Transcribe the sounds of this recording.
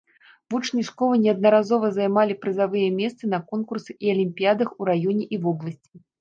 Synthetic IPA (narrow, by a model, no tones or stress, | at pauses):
vut͡ʂnʲiʂkɔlˠɨnʲɛɐd̪̚nɐɾazɔvɐzajmalʲipɾɨzavɨjɛmʲɛst̪sɨnɐkɔnkursɨʔiɐlʲimʲpʲijad̪ɐxuɾajɔnʲɛʔivɔblˠɐsʲt͡sʲi̥